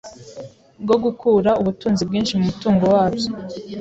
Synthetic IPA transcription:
bɡo̞ɡukʰuːɾauβutuːnzibɡiːnʃimumutuːŋɡo̞waːbjo

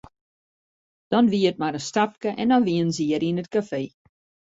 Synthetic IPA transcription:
d̥ɔnʋiət̚maɾəstap̚kəʔɛ̰ndɔnʋiənziəɾinətkafeː

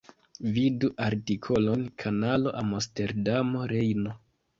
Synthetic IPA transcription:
viduʔaɾtikʰo̞lo̞nkʰanalo̞ʔamoste̞ɾdamo̞ɾe̞jno̞

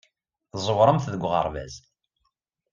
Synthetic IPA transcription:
zˤəwɾˤəmθðəɡʷʁɑ̰ɾˤvæ̰z

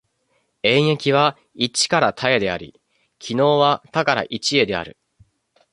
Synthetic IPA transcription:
ẽ̞ɰ̃e̞kʲiβ̞a | it͡ɕi̥kaɾat̪ʰae̞d̪e̞aɾʲḭ | kʲʰino̞ːβat̪akaɾa̰ʔit͡ɕie̞d̪e̞a̰ɾɯ̟̰

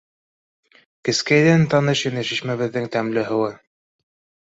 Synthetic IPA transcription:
kɘ̆skæjðænt̪ɑnɤʃɤnæʃiʃmæβɘ̆ðːɘŋt̪æmlɘɦɤ̆wɤ

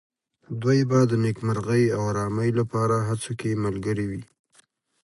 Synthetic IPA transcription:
d̪wajbad̪ənekmaɾɣəjawaɾɑməjlapɑɾaɦat͡sokeməlɡəɾiwi

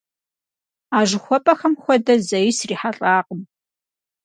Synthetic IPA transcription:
aːʒɨxʷɔpʼɐxɐmxʷɔdɐzɐjɪsriːħaɬʼaːqʼəm

